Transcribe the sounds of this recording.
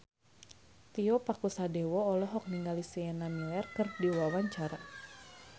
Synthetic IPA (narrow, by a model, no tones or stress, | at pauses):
t̪iɔpakusadɛwɔɔlɔɦɔk̚niŋɡalisɛɛnanuɛrkɨrdiwawaɲt͡ʃaɾa